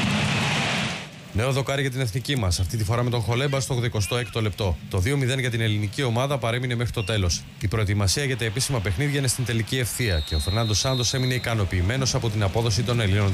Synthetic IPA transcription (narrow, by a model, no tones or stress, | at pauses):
ne̞o̞ðo̞kɐɾiʝɐt̪̬ine̞θnicimɐsɐft̪it̪ifoɾɐme̞t̪o̞xo̞lbɐst̪oɣðeko̞st̪o̞ekt̪o̞le̞p̚t̪o̞t̪o̞ðio̞miðe̞nʝɐt̪̬ine̞linicio̞mɐðɐpɐɾe̞mine̞mexɾit̪o̞t̪e̞lo̞s | ipɾo̞et̪imɐsiɐeʝet̪eepisimɐpe̞xniðʝɐine̞st̪int̪e̞licie̞fθiɐce̞o̞fe̞ɾnɐnd̪o̞sɐnd̪o̞se̞mine̞ikɐno̞piːme̞no̞sɐpo̞t̪̬inɐpo̞ðo̞s̬it̪o̞ne̞linon